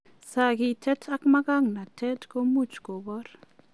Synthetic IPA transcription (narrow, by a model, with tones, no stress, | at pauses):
sa˨ɡi˨tʰɛ˦tʰa˦kma˦ka˦ŋna˨tʰɛ˦tko˦mu˦˨t͡ʃko˨bɔ˦ɾ